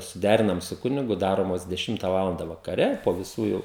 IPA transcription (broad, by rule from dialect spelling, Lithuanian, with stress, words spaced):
sʊˈdʲæːrʲɪnɐm sʊ ˈkʊnʲɪɡʊ ˈdɑːroːmoːs dʲɛˈʃʲɪmtɐ ˈʋɑːlˠɐndɐ ʋɐkɐˈrʲɛ poː ʋʲɪˈsuː jɛʊ